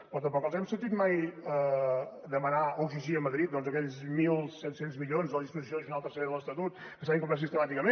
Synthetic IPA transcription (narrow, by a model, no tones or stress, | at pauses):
pɾɔt̪əmpɔklˠzɛmsənt̪it̪majə | d̪əmənaəwʒiʒiəməðɾit̪̚d̪ɔnzəkɛʎzmilˠsɛt̪senzmiʎonzələðispuzis̬joiʒunalˠt̪əɾseɾeðəlˠəst̪ət̪ut̪kəs̬aβiŋkumpɾas̬ist̪əmat̪ikəmẽ